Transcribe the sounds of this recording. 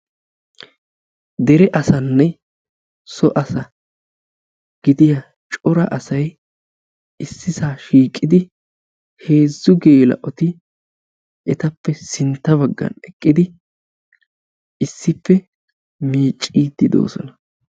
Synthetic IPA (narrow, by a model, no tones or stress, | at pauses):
d̪ɛɾɛʔɐsɐnːɛ | sɔʔɐsɐ | ɡ̥ɪd̪ɪjɐ | t͡ʃʼɔɾɐʔɐsɐj | ɪsːɪsaːʃiːkʼːɪd̪ɪ | he̞ːzːʊɡe̞ːlɐ̰ʔɔt̪ɪ | ɛt̪ɐpːɛsɪnt̪ːɐβɐɡːɐ̰nɛkʼːɪd̪ɪ | ɪsːɪpːɛ | miːt͡ʃʼːiːd̪ːɪd̪o̰ːsɔ̰nɐ